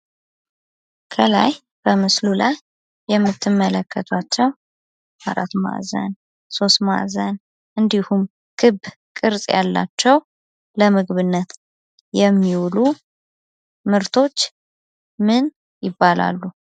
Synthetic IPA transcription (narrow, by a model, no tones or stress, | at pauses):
kʰəla̰j | b̥əmɨslulajː | ɛmːɨt̪ʰːɨmːələkʰːət̪ʰat͡ʃːɛw | aɾa̰t̪ma̰zə̰n | so̞st̪ma̰ʔzən | ʔɨnd̪ihum | kʰɨb | kʼɨɾsʼjalːa̰t͡ʃːɛw | ləmɨɡβɨnːət̪ | jɛmːiwlu | mɨɾt̪ʰo̞t͡ʃː | mɨn | jɪbːala̰lːu